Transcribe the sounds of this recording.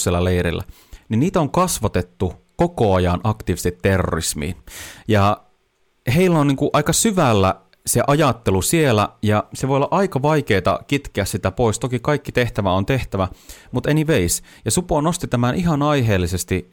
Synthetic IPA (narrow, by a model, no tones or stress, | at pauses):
sielːæleiɾḭlːæ̰ | niniːt̪oŋkɑsʋɑt̪et̪ːukokoɑjɑnʔɑkt̪iːʋist̪it̪ːerːo̰o̰rḭsmḭːnjɑ | heilːæonniːŋkuʔɑikɑsyʋælːæ | seʔɑjɑt̪ːelusielæjɑseʋojolːɑʔɑikɑʋɑikeːt̪ɑ̰kit̪keæssit̪æpoist̪okikɑikːit̪eht̪æʋæont̪eht̪æʋæmut̪eniʋeis | jɑsuponost̪it̪æmænʔiɦɑnɑiɦeːlːisest̪i